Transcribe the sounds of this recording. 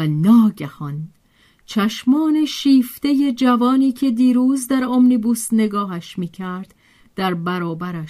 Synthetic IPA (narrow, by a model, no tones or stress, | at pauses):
nɒːɟæhɒn | t͡ʃʰæʃmɒːne̞ʃiːft̪e̞je̞d͡ʒævɒːniːcʰe̞d̪iːɾuːzd̪æɾomnibuːsne̞ɡɒːɦæʃmiːcʰæɾd̪̥ | d̪̥æɾbæɾɒːbæɾæʃ